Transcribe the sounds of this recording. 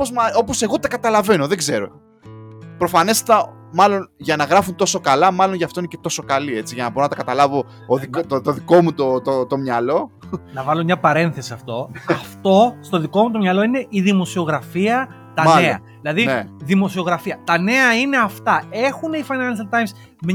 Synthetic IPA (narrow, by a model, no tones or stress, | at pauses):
opozmɐopo̞se̞ɣo̞t̪ɐkɐt̪ɐlɐve̞no̞ðe̞ɡze̞ɾo̞̰ | pɾo̞fɐne̞st̪ɐ | mɐlo̞nʝɐnɐɣɾɐfunt̪o̞so̞kɐlɐmɐlo̞nʝɐft̪o̞inece̞t̪o̞sokɐlie̞t͡siʝɐnɐboɾnɐt̪ɐkɐt̪ɐlɐvo̞ː | ðikot̪t̪oðikomut̪ot̪ot̪o̞mɲɐlo̞ | nɐvɐlomɲɐpɐɾe̞nθe̞siɐft̪o̞ɐft̪o̞st̪o̞ðiko̞mut̪o̞mɲɐlo̞ine̞ʔiðimo̞sio̞ɣɾɐfiɐ | t̪ɐmɐneɐ̰ | ðilɐðineðimo̞sio̞ɣɾɐfiɐt̪ɐne̞ɐine̞ɐft̪ɐe̞xunifɐjnɐnsɐlt̪ɐjms | m